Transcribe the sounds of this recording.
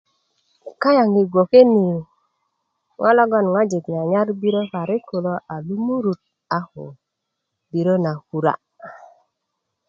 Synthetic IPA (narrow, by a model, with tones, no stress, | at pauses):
ka˦ja˨ŋi˨ɡʷo˨ke˦ni˨ | ŋʔɔ̰˦lɔ˦ɡɔ˦˨nŋa˦d͡ʒe˨kna˨ɲa˦ɾbi˦ɾo˦fa˨ɾi˦ko˨lo˦ʔa˨lu˦mu˦ɾu˨t̪̚ | a˨ho̰˨ | bi˨ɾo˦na˨ku˨ɾa̰˦